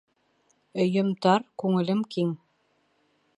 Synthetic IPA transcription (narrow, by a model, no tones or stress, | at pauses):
ɵ̆jɤ̆mt̪ɑɾkʉŋɘ̆lɘmkiŋ